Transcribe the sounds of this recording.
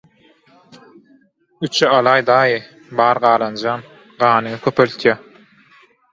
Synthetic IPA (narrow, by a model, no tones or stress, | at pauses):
yt͡ʃʰɛɑlˠɑːjd̪ɑːjɯ | bɑːɾʁɑːlˠɑnd͡ʒɑm | ɢɑːnɯŋɯkʲʰøpølt̪ʰjæ